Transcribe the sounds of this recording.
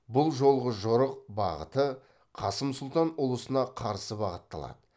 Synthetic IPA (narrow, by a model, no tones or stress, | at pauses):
bʊlˠʒo̞lˠʁəʒʊɾəq̚bɑ̰ʁə̰t̪ə | qʰɑsəmsʊlˠt̪ɑnʊlˠəsənɑqʰɑɾsəbɑʁət̪ːɑ̰lˠɑ̰d̪ə